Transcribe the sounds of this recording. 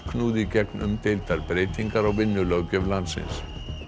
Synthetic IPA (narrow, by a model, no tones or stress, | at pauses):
kʰnuːðɪcɛknʏ̰mt̪ɪlt̪aɾpɾeːjt̪iŋkaɾaɣvɪnːʏlœwcœvlant̪sɪ̰ns